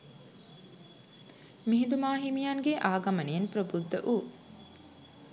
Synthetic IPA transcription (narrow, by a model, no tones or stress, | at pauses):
miɦid̪umaːɦimijaŋɡeʔaːɡɐməneenpɾobud̪ːəʔuː